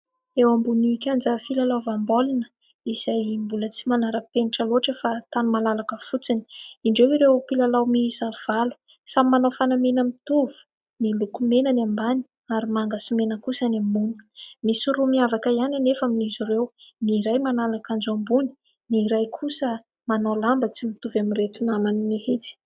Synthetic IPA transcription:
ewambuniikʲand͡zəfilalawvambolinə̥ | iz̥ajmbulət͡simanaɾəpeniʈ͡ʂəloʈ͡ʂəfat̪anumalalakəfut͡sini̥iɳɖ͡ʐewiɾewpilalawmiisav̥alu̥ | samimanofanamenəmit̪uvu̥ | nilukumenanambani̥ | aɾimaŋɡasimenəkusənamunə̥misuɾumiavakəiananefaminizuɾewniɾajmanalakand͡ʒambuni̥ | niɾajkʰusə | manalambət͡simit̪uvamiret̪unamaninihet͡si̥

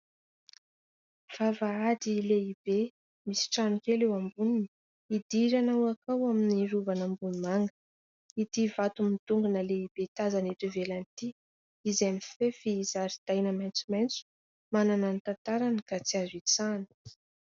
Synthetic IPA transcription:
v̥avaad̪ileibe | misi̥ʈ͡ʂanukelewambunini | id̪iɾanawakawaminiruvanambunumaŋɡə̥ | id̪ivat̪umit̪uŋɡunəleib̥et̪azanet̪uvelant̪i | izaminfefiːzaɾid̪̥ajnəmajnt͡sumajnt͡su̥ | manananit̪ant̪aɾanəkat͡siazit͡sanə̥

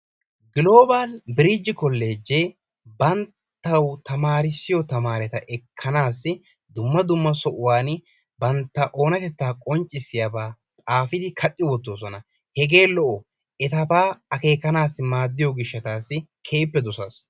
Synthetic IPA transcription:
ɡɪlo̞ːbalbɪɾɪd͡ʒːɪkɔlːe̞ːd͡ʒːe | bɐntt̪ːɐwt̪ɐmaːɾɪsːɪjɔt̪ɐmaːɾɛt̪ɐʔɛkʰːɐnaːsːɪ | d̪ʊmːɐd̪ʊmːɐsɔʔʊwaːn | bɐnt̪ːɐʔo̞ːnɐt̪ɛt̪ːaːkʼɔnt͡ʃʼːɪsɪjabaː | t̪ʼaːfɪd̪ɪkʰɐt̪ʼːɪwɔt̪ːoːs̬ɔnɐ | hɛɡe̞ːlɔʔɔ | ɛt̪ɐbaːɐke̞ːkːɐnaːsːɪmaːd̪ːɪjɔɡɪʃːɐt̪aːsːɪkʰe̞ːpːɛd̪ʊsaːs

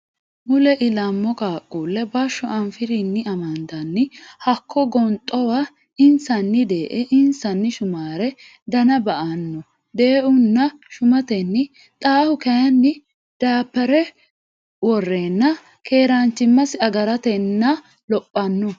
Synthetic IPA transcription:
mʊlɛʔɪlɐmːɔkʼaːkʼːuːlːɛbɐʃːɔʔɐɱfɪɾɪnːɪɐmɐnd̪ɐnːɪhɐkʰːɔɡɔnt̪ʼːɔwa | ɪnsɐnːɪd̪e̞ːʔɛʔɪnsɐnːɪʃʊmaːɾɛ | d̪ɐnɐbɐʔɐnːɔ | d̪e̞ːʔʊnːɐʃʊmɐt̪ɛnːɪ | t̪ʼaːhʊkɐjɐnːɪ | d̪̥aːpːɛɾɛ | wɔrːeːnːɐ | kʰe̞ːɾant͡ʃːɪmːɐsɪɐɡɐɾɐt̪ɛnːɐ | lɔpʼːɐnːɔ

